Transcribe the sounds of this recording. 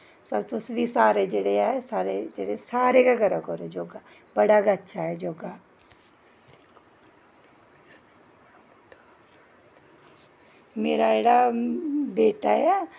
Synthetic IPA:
sɐbt̪ʊsbisaːɾed͡ʒeɽeaːesaːɾed͡ʒeɽesaːɾekaɡɐɾəkoːɾed͡ʒoːɡa | bɐɽakaɐtːʃʰaɦɛd͡ʒoːɡa | meːɾaeːɽa | beːʈaja

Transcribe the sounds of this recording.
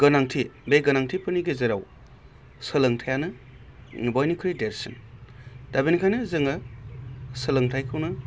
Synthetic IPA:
ɡɯnaŋtʰibejɡɯnaŋtʰipɯniɡezeɾaw | sɯlɯŋtʰajanɯ | bɔjnikʰɯɾideɾsɯn | d̥abinkʰajnɯzɯŋɯ | sɯlɯŋtʰajkʰɯwnɯ

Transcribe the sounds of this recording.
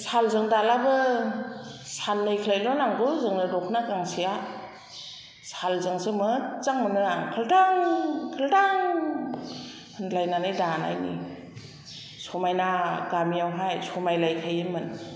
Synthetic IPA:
salzɯŋdalabɯ | sanːɯjkʰəlajlɔnaŋduzɯŋnɯdɔkʰnakaŋsija | salzɯŋsɯmɯt͡saŋmɯnɯaŋkʰɯldaŋkʰɯldaŋ | ɯnlajnanɯjdana̰jnḭ | sɔmajnaɡamiawɦajsɔmajlajkʰajɯmɯn

